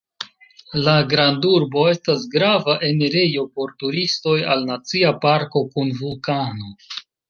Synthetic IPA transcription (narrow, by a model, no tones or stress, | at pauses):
laɡɾanduɾbo̞e̞stasɡɾavaʔe̞neɾejo̞po̞ɾtuɾisto̞jalnat͡siapaɾko̞kunvulkano̞